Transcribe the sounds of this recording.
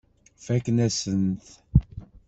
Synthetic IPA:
fækːnæsənt̪

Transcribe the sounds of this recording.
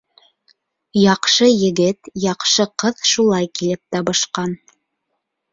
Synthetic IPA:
jɑqʃɤjɘ̆ɡɘt̪jɑqʃɤqɤðʃulˠɑjkilɘp̚t̪ɑβɤ̆ʃqɑn

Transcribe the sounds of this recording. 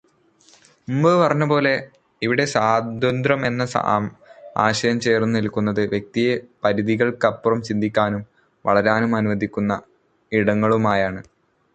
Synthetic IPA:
mumbɨpɐrɐɲːɐbo̞ːle̞ | iʋiɽe̞saːd̪ʱɐnd̪rɐme̞nːɐsa̰ːma̰ːɕɐjɐmt͡ɕe̞ːrnunilkʲːunːɐðɨʋjek̚t̪ijepɐɾiðiɣɐɭkɐpːurɐmt͡ɕind̪ʱikʲːaːnum | ʋɐ̰ɭɐɾaːnumɐnuʋɐd̪ikʲːunːɐ | iɽɐŋːɐɭumaːjaːɳɨ

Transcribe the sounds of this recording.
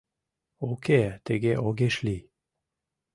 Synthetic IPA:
okʰet̪eɡeʔoɡeʃli

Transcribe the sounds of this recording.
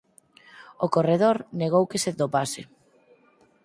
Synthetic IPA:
okoreð̞oɾneɣowkeset̪opasɪ

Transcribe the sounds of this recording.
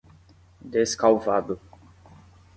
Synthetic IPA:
d̪eskawvad̪ʊ

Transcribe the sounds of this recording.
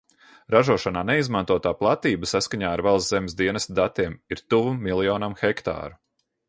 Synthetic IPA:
ɾaʒuɔʃanaːnɛizmant̪uɔt̪aːplˠat̪iːbəsaskaɲaːaɾvalˠzzɛmʲɪsd̪iɛnɛst̪d̪at̪iɛmiɾt̪uvumːilˠjɔːnamxɛkt̪a̰ːɾu

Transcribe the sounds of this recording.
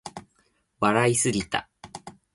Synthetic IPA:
βaɾaisɨɾʲit̪a̰

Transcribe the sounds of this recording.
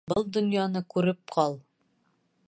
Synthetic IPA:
bɤlˠd̪ŏnjɑnɤkʉɾɘp̚qʰɒlˠ

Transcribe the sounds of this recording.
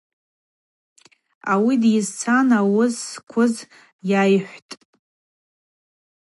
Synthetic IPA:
awidjɪzt͡sʰanawʊzkʷʰʊz | jajħʷtʼ

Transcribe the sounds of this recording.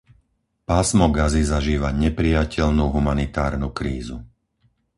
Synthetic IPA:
paːsmɔɡazizaʒiːʋaɲɛpɾijacɛʎnuːɦumanit̪aːɾnukɾiːzu

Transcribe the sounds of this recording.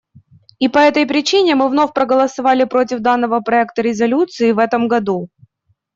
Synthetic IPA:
ipɐɛt̪əjpɾʲɪt͡ɕinʲɪmɨvnofʲpɾəɡəlˠəsɐvalʲɪpɾotʲɪvd̪anːəvəpɾɐɛkt̪əɾʲɪzɐlʲut̪sɨɪvɛt̪əmɡɐd̪u

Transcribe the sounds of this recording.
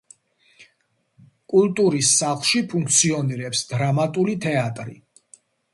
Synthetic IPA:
kʼulˠt̪ʼuɾisːaχlˠʃipʰuŋkʰt̪sʰiɔniɾɛpsd̪ɾamat̪ʼulit̪ʰɛat̪ʼɾḭ

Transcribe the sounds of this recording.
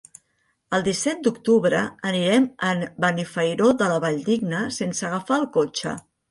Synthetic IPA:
əlˠd̪isɛt̪̚d̪ukt̪uβɾəəniɾɛmənbənifəjɾod̪ələβaʎd̪iɡnəsensəɣəfaːlˠkot͡ʃə̰

